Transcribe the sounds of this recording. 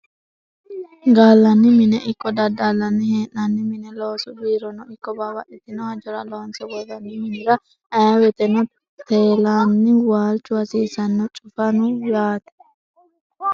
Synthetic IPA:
ɡaːlːɐnːɪmɪnɛʔɪkːɔd̪ɐd̪aːlːɐnːɪheːnːɐnːɪmɪnɛloːsʊbiːɾɔnɔɪkːɔbabɐʔɛt̪ːɪnɔhɐd͡ʒɔɾɐlonsɔɡɔðɐnːɪmɪnɪɾɐ | ɐjɐwɛt̪ɛnɔ | t̪eːlaːnːɪwaːlt͡ʃːʊwɐsiːsɐnːɔt͡ʃʼʊfɐnʊlaːt̪ɛ̥

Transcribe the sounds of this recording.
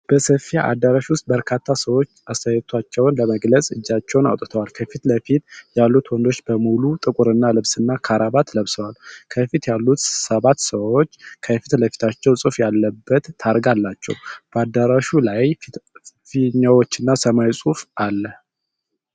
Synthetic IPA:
b̥əsəfijaʔa̰d̪ːaɾaʃwʊst̪̚ʼbəɾkʰat̪ʰːasəwo̞t͡ʃːast̪ʰəjt̪ʰat͡ʃːɛwnləməɡləsʼɨd͡ʒːat͡ʃːɛwna̰wt̪ʼɨt̪ʰəwalkʰəfit̪ləfit̪jalːut̪ʰwɔnd̪o̞t͡ʃːbəmulut̪ʼɨkʼuɾɨnːalɨβsɨnːakʰaɾaβat̪ʰləβsəwalkʰəfit̪jalːut̪səβat̪səwo̞t͡ʃːkʰəfit̪ləfi̥t̪ʰat͡ʃːɛwsʼɨfjalːəbːət̪ʰːaɾɡalːat͡ʃːɛ̰wb̥əad̪ːaɾaʃulaj | fiɲːawo̞t͡ʃːɪnːasəmajsʼufʔalːə

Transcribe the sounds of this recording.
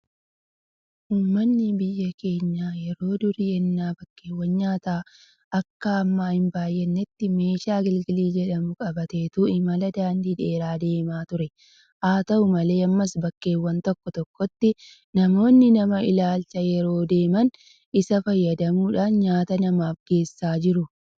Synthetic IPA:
ʔuːmːɐnːɪbɪjːɐke̞ːɲːaːjɛɾo̞ːd̪ʊɾɪjɛnːaːbɐkːe̞ːwːɐnɲaːt̪aː | ʔɐkːɐɐmːaːhɪmbaːjːɛnːɛt̪ːɪme̞ːʃaːɡɪlɡɪliːd͡ʒɛᶑɐmʊkʼɐbɐt̪e̞ːt̪uɪmɐlɐd̪aːnd̪iːᶑe̞ːɾaːd̪e̞ːmaːt̪ʊɾɛ | ʔaːt̪ɐʔʊmɐle̞ːɐmːɐsbɐkːe̞ːwːɐnt̪ɔkːɔt̪ɔkːɔt̪ːɪ | nɐmo̞ːnːɪnɐmɐɪlaːlt͡ʃɐjɛɾo̞ːd̪e̞ːmɐn | ɪsɐfɐjːɐd̪ɐmuːᶑaːnɲaːt̪ɐnɐmaːfɡ̥e̞ːsːaːd͡ʒɪɾʊ

